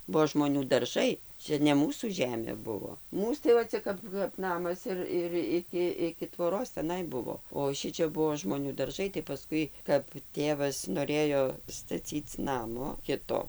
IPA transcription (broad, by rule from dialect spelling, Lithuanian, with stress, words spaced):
ˈbuɔ ʒmoːˈnʲuː dɐrˈʒɐɪ ˈt͡ʃʲɛ nʲɛ ˈmuːsuː ˈʒʲæːmʲeː ˈbʊʋoː ˈmuːs tɐɪ ʋɐ ˈt͡sʲɛ kɐp kɐp ˈnɑːmɐs ɪr ɪr ˈɪkʲɪ ɪkʲɪ tʋoːˈroːs tʲɛˈnɐɪ ˈbʊʋoː oː ˈʃʲɪt͡ʃʲɛ ˈbuɔ ʒmoːˈnʲuː dɐrˈʒɐɪ tɐɪ pɐˈskʊɪ kɐp ˈtʲeːʋɐs noːˈrʲeːjoː stɐˈt͡sʲiːt͡s ˈnɑːmoː ˈkʲɪtoː